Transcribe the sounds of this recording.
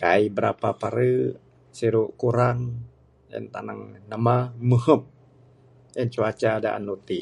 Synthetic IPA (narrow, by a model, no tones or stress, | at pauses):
kaibəɾapapaɾə | siɾuʔkuɾaŋ | jə̰nt̪a̰naŋnamaməhəp̚ | jənt͡ʃuat͡ʃada̰ʔa̰nːut̪i